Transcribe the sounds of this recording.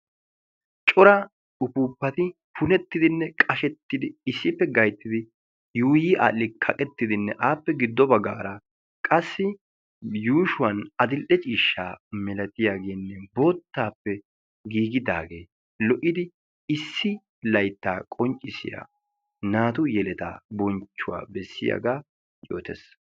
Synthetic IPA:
t͡ʃʼɔɾɐ | ʊpuːpːɐt̪ɪ | pʊnɛt̪ːɪd̪ɪnːɛkʼɐʃɛt̪ːɪd̪ɪɪsːɪpːɛɡɐjt̪ːɪd̪ɪ | juːjiʔa̰ːlɪkʰɐkʼɛt̪ːɪd̪ɪnːɛʔaːpːɛɡɪd̪ːɔbɐɡaːɾɐ | kʼɐsːɪ | juːʃʊwɐnɐd̪ɪlʔɛt͡ʃʼiːʃːa̰ːmɛlɐt̪ɪjaːɡeːnːɛbo̞ːt̪ːaːpːɛ | ɡiːɡɪd̪a̰ːɡe̞ː | lɔʔɪd̪ɪ | ɪsːɪ | lɐjt̪ːaːkʼɔnt͡ʃʼːɪsɪ̰ja̰ | naːt̪ʊjɛlɛt̪a̰ːbɔnt͡ʃːʊwa̰ːbɛsːɪ̰ja̰ɡaː | joːt̪ɛ̰s

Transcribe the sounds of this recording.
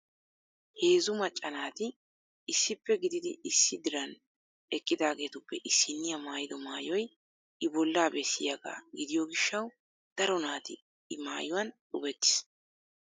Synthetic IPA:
he̞ːzʊmɐt͡ʃʼːɐnaːt̪ɪ | ɪsːɪpːɛɡɪd̪ɪd̪ɪɪsːɪd̪ɪɾɐn | ɛkʼːɪd̪aːɡe̞ːt̪ʊpːɛʔɪsːɪnːɪjɐmaːjɪd̪ɔmaːjɔj | ɪbɔlːaːbɛsːɪjɐɡa̰ːɡɪd̪ɪjɔɡɪʃːɐw | d̪̥ɐɾɔnaːt̪ɪ | ɪma̰ːjʊwɐnᶑʊbɛt̪ːɪ̥s

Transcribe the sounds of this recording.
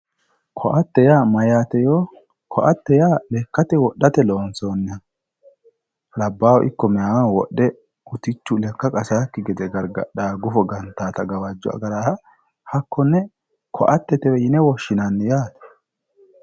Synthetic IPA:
kʰɔʔɐt̪ːɛjaːmɐjaːt̪ɛjoː | kʰɔʔɐt̪ːɛjaːlɛkːɐt̪ɛwɔɗːɐt̪ɛloːnsoːnːɪɐ | lɐbːaːwɔʔɪkːɔmɛjawawɔɗːɛ | ʊt̪ɪt͡ʃːʊlɛkːɐkʼɐsaːkːɪɡɛd̪ɛɡɐɾɡɐ̰ɗaːɡʊfɔɡɐnt̪ːaːt̪ɐɡɐwɐd͡ʒːɔɐ̰ɡɐɾaːɾɐ | hɐkːɔnːɛ | kʰɔ̰ʔɐt̪ːɛt̪ɛwɛjɪnɛwɔʃːɪnɐnːjaːt̪ɛ̥

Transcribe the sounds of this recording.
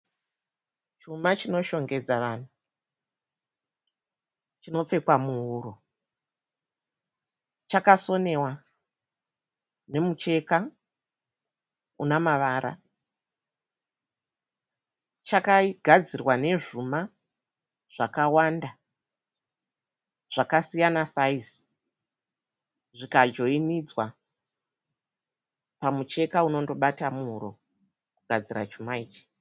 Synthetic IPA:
t͡ʃumat͡ʃino̞ʃo̞ŋɡe̞d͡zaʋaːn̤u | t͡ʃino̞p͡fe̞kwamuɦuːɾo | t͡ʃakaso̞ne̞wa | ne̞mut͡ʃe̞ka | ṵnamaʋaɾa̰ | t͡ʃakaɡʱad͡zirwane̞ʐuma | ʐ̥akawanda | ʐ̥akasijanasais | ʐikad͡ʒo̞inid͡zwa | pamut͡ʃe̞kauno̞ndo̞ɓatamuɦuɾo̞̰ | kuɡʱad͡zira̰t͡ʃumaiːt͡ʃi̥

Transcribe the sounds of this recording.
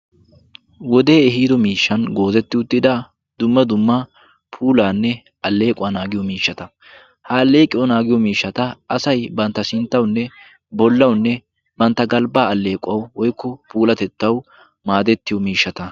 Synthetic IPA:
wɔd̪e̞ːɛɦiːd̪ɔmiːʃːɐnɡo̞ːzɛt̪ːɪʊt̪ːɪd̪ɐ | d̪ʊmːɐd̪ʊmːɐ | pʰuːlaːnːɛ | ɐlːe̞ːkʼʊaːnaːɡɪjɔmiːʃːɐt̪ɐ | hɐːlːe̞ːkʼːɪjɔnaːɡɪjɔmiːʃːɐt̪ɐɐsɐjbɐnt̪ːɐsɪnt̪ːɐwnːɛ | bɔlːɐwnːɛ | bɐnt̪ːɐɡɐlbaːɐlːe̞ːkʼːɐwwɔjkːɔpuːlɐt̪ɛt̪ːɐw | maːd̪ɛt̪ːɪjɔmiːʃːɐt̪ɐ

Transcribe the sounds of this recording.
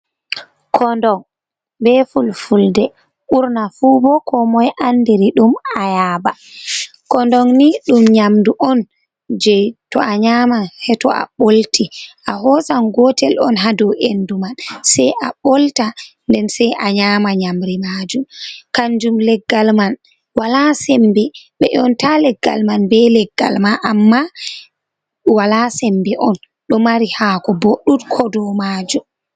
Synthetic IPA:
kʰɔndɔŋ | bɛfulfuldɛ | uɾnafuːbɔkɔmɔjʔanːdiɾiɗumajaːba | kɔndɔŋniɗumɲamduʔɔn | d͡ʒɛtɔʔaɲamahɛtɔʔa̰ɓoltiʔaɦɔsanɡɔtɛlɔ̰nɦadɔʔendumansɛjʔaɓoltandɛnsɛjʔaɲamaɲamɾimaːd͡ʒumkaɲd͡ʒumlɛɡːalman | walasɛmbɛɓɛ̰ʔɔntalɛɡːa̰lmanbɛlɛɡːa̰lmaʔamːa | walasɛmbɛʔɔn | ɗɔmaɾihaːkɔboɗːutkʰɔdɔmaːd͡ʒum

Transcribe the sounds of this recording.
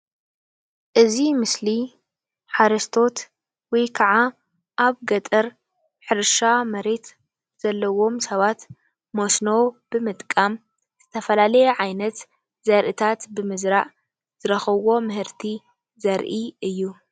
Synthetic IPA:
ʔɨzimɨsli | ħaɾɐst̪ʰo̞t̪ | wɔjkʰɐʕa | ʔaβɡɐt̪ʼɐɾ | ħɨɾʃamɐɾe̞t̪ | z̥ɐlːɐwo̞msɐβat̪ | mosnob̥ɨmɨt̪ʼkʼam | z̥ɨt̪ʰɐfɐlalɐjɛʕajnɐt̪ | z̥ɐɾʔɨt̪ʰat̪bɨmɨzɾaʔ | z̥ɨɾɐxɐβo̞mɨhɨɾt̪ʰi | zɐɾʔiɨjːu

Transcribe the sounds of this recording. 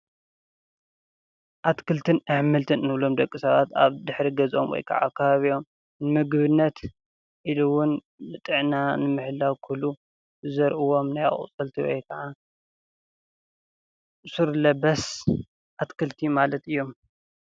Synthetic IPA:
ʔat̪kʰɨlt̪ʰɨnʔɨħmɨlt̪ʰɨnɨnɨβlo̞md̪ɐkʼːisɐβat̪a̰βd̪ɨħɾiɡɐzʔomwɔ̰jkʰa̰ʕa̰kʰːɐβaβio̞m | nɨmɨɡβɨnːɐt̪ | ʔiluwʊn | nɨt̪ʼɨʕnanɨmɨħlawkʰulu | zɐɾʔɨwo̞mnaja̰χʼt͡sʼɨlt̪ʰiwɔ̰jkʰɐʕa | suɾlɐbɐs | ʔat̪kʰɨlt̪ʰimalɐt̪ɨjːo̞m

